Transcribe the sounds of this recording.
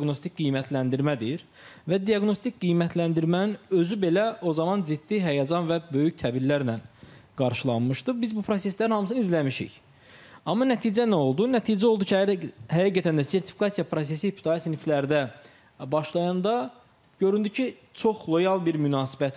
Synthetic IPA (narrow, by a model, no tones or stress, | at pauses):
ɡno̞st̪ik̚ʲɡijmæt̪ʰlænd̪iɾmæd̪iiɾvæd̪iɑɡno̞st̪ʰik̚ɡijmæt̪ʰlænd̪iɾmæninø̞zybe̞læo̞zɑmɑnzid̪̥ːiɦæjɑd͡ʒɑnvæbø̞jyct̪ʰæbiɾlæɾnænɡ̥ɑɾʃɯlˠɑnmɯʃt̪ɯbizbupʰɾo̞se̞slæɾinhɑmɯsɯnɯizlæmiʃḭç | ɑmːɑnæt̪ʰiːd͡ʒænæo̞lˠd̪unæt̪ʰiːd͡ʒæo̞lˠd̪ucʰiæɾhæjɑɡæt̪ʰænd̪æse̞ɾt̪ʰi̥fi̥kɑsijɑpʰɾo̞s̬e̞sipʰi̥t̪ʰɑsniflæɾd̪æ | bɑʃlˠɑjɑnd̪ɑ | ɟø̞ɾynd̪ycʰit͡ʃʰo̞χlˠo̞jɑlˠbiɾmynɑːsibæt̪